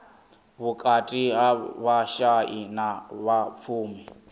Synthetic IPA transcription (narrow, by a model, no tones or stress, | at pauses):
βukʼatʼiɦaβaʃaʔinaβap̪fʰuːmi